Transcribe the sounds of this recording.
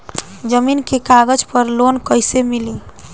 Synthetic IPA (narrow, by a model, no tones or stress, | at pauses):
d͡ʒəminkekaɡəd͡ʒpəɾlonkəjsemili